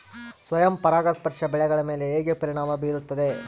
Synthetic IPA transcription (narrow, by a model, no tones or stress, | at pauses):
sʋɐjɐmpɐɾaːɡɐspɐɾʂɐbɛɭɛɡɐɭɐme̞ːleeːɡepɐɾiɳaːmɐbiːɾut̪ːɐd̪e